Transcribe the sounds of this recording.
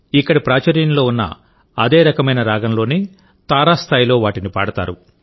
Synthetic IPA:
ikːɐɽipɾaːt͡ʃɐɾjɐnlo̞ːunːɐ̰ | ɐd̪eːɾɐkɐmɐjnɐɾaːɡɐmlo̞ːni | t̪aːɾaːst̪ʰaːjilo̞ːʋaːʈinipa̰ːɽɐt̪a̰ːɾu

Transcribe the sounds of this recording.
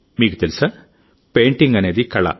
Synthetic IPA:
miːkut̪elisɐ | peːɳʈiŋɡɐneːd̪ikɐɭɐ̰

